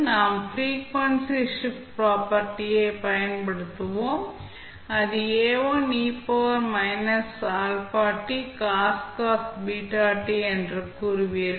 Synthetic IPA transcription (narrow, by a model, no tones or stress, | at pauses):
naːmpʰɾiːkʋɐnsiʂippɾaːpɐɾʈijeːpɐjɐnpɐɽut̪ɐʋoː | ɐd̪ieːʋoːniːpoʋɐɾmɐjnɐsaːlpaːʈikaːskaːsʈbiːʈaːʈiɐɳɖɾɐkuɾʋiɾ